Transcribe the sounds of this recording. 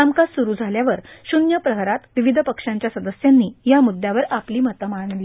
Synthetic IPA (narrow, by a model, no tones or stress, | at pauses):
amkassuɾuːd͡zʱaljaʋəɾɕunjapɾəɦɾat̪ʋiʋid̪ʱəpəkʂãɲt͡ɕjasəd̪əsjanːiːjamud̪ʱːjaʋəɾapliːmət̪əmaɳli